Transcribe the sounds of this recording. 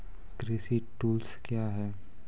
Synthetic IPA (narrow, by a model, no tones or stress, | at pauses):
kɾiːsiʈuːlskjaːɦɛː